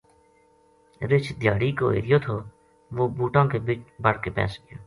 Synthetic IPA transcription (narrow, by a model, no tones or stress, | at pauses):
ɾɪt͡ʃʰd̪ɪjaːɽiːko̰ːḛːɾɪjoːt̪ʰoː | ʋoːbuːʈãːkeːbiːt͡ʃbəɽkeːpɛ̰̃ːsə̥kjoː